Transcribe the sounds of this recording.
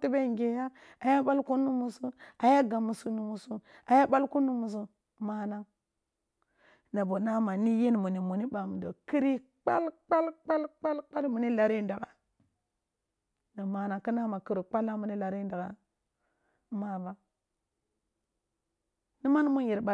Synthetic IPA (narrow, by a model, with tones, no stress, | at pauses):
ti˦ba˦˨ŋɡe˨ja˦ | a˨ja˦ɓa˦lku˦nu˦mu˨su˦a˨ja˦ɡa˨mu˨su˨˦nu˨mu˨su˦ | a˨ja˦ɓa˦lku˦nu˦mu˨s̬u˦ | ma˨na˦ | na˨bo˨na˦ma˨ni˦je˦n˨mu˨ni˨mu˨ni˦ɓa˨mu˨do˨ki˦ɾi˦ | k͡pa̰˦lk͡pa˦lk͡pa˦lk͡pa˦lk͡pa˦lmu˨ni˦la˨ɾi˦nda˨ɡa˨ | na˨ma˨na˨ki˦na˦ma˨ki˨ɾi˨k͡pa˦la˦mu˨ni˦la˨ɾi˦nda˨ɡa̰˨ | ma˨ba˦ | ni˦ma˦n˦mu˦ji˨ɾba˨